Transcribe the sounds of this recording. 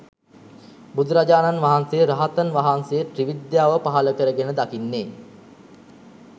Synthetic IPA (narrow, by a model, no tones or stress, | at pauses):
bud̪ʱuɾad͡ʑaːnanʋaɦansejəɾaɦat̪ənʋaɦansejəʈriʋid̪jaːʋəpaɦaləkəɾəɡenəd̪akinːeː